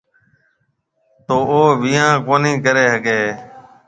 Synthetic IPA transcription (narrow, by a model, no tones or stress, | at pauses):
t̪oːoːʋɪjãːkoːnĩːkəɾeːɦəkeː